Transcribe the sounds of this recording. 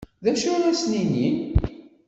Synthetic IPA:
ðæʃʊɾæsninin

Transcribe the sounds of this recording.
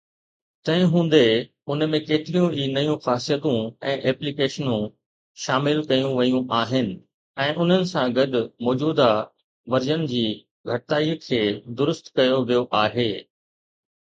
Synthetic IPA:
t̪ɐ̃ɦɪ̃ɦũːn̆d̪e | ʊnmẽkeːt̪ɪɾijũiːnɐjũxaːsijət̪ũɛ̃ːʔɛːplikeːʃənũ | ʃaːmɪlkɐjũʋɐjũʔaːɦɪnɪ̆ | ɛ̃ːʔʊn̤ənɪ̆sãɡɐɗʊmɔːd͡ʑuːd̪a | ʋɐɾd͡ʑənɪ̆d͡ʑiː | ɡʱɐʈɪt̪aːikʰeːd̪ʊɾʊst̪kɐjoʋijoʔaːɦeː

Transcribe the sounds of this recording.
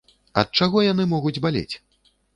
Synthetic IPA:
ɐ̰t̪̚t͡ʂaɣɔjan̪ɨmɔɣud͡zʲbalʲḛt͡sʲ

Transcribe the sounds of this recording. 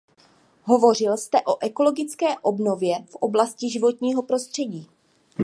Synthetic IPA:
ɦo̞vo̞r̝ɪlst̪ɛʔo̞ʔɛko̞lo̞ɡɪt͡skɛːʔo̞bno̞vjɛfʔo̞blascɪʒɪvo̞t̪ɲiːɦo̞pɾo̞st̪r̝̥ɛɟiː

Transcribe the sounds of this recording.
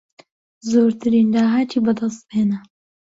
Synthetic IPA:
zoːɾt̪ʰɨɾind̪aːɦaːt̪ʰiːbɐd̪ɐst̪̚beːnɐ

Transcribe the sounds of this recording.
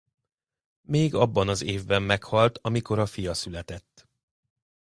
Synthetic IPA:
meːɡɒbːɒnɒzeːvbɛmːɛkhɒlt̪ɒmiko̞ɾɒfijɒsylɛt̪ɛt̪ː

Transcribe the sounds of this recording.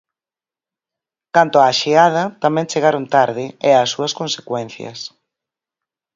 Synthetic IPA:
kant̪oaːʃeað̞ɐt̪amɛ̃nt͡ʃeɣaɾont̪aɾðɪeasːuɐskonsekwɛn̟θjɐ̰s

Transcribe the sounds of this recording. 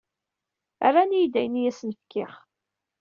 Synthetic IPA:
æ̰ranijd̪æjənjæsnəfkːɪχ

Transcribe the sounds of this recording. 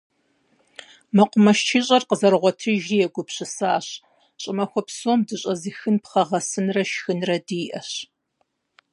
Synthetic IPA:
mɐqʷʊmɐʃt͡ʃʰiːɕʼɐrqəzɐrʁʷɔtʰɨʒriːjɛɡʷʊpɕɨsaːɕ | ɕʼɪmɐxʷɔpsoːmdɨɕʼɐzixɨnpχɐʁɐsɨnrɐʃxɨnrɐdiːʔɐɕ

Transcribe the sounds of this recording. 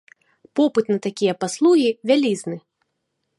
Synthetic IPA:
pɔpɨt̪nɐt̪akʲijɐpaslˠuɣʲivʲalʲiznɨ

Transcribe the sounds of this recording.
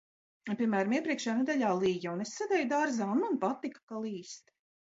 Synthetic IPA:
pʲiɛmæːɾamiɛpɾiɛkʃaːnɛd̪alʲaːlˠiːjaunesːad̪ɛjd̪aɾzaːunmanpat̪ːikḁkalˠiːst̪

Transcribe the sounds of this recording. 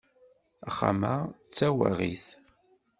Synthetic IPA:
aχːa̰maʁt͡sːæwa̰ʁiθ

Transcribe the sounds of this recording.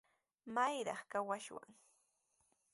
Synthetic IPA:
majɾɑχkawaʃwa̰ŋ

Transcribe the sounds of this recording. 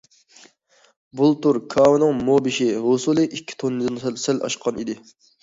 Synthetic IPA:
bulˠt̪uɾkʰɑːwɨnɨŋmobɪʃɪɦosulˠɨʔikʲʰːi̥t̪ʰonːɨd̪ɨnsɛlʔɑ̰ʃqʰɑnid̪ɪ

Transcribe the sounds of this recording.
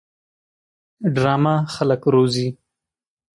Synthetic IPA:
ɖɾɑmaxaləkɾozi

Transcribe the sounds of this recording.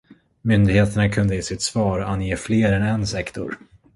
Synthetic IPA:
mʏnd̪ɪɡheːt̪əɳakʰɵnd̪əjeːsɪt̪svɑːɾanːjeːfleːɾɛnɛnsɛkt̪ʊ̰ɾ

